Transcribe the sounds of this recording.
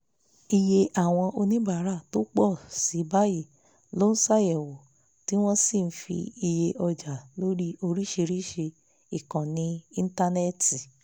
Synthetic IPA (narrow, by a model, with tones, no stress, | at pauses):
i˧je˧ʔa˨w̃ɔ̃˧ʔo˧nĩ˦ba˦˨˦ɾa˦˨to˦k͡pɔ˦˨si˨˦ba˦ji˦˨ | lo˦n̩˦sa˦˨jɛ˨wo˨ | ti˦w̃ɔ̃˦si˦˨n̩˦fḭ˧i˧je˧ʔɔ˧d͡ʒa˨lo˦ɾi˦o˧ɾi˦ʃe˧ɾi˦ʃe˧ | i˨kã˨nĩ˧˦i˧n̩˦ta˧nɛ˦˨ti˨